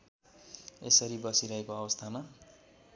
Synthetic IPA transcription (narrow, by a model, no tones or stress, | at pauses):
ḛsʌɾibʌsiɾʌɦekoʌbʌst̪ʰama